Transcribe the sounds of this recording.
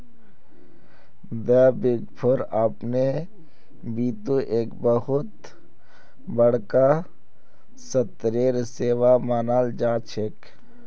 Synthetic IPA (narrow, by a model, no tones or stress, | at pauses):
d̪ɛːbɪɡpʰʊɾapne | biːt̪uʔeːkbəɦʊt̪ | bəɽka | sət̪ɾeːɾseːʋamaːnaːld͡ʒaːt͡ʃʰek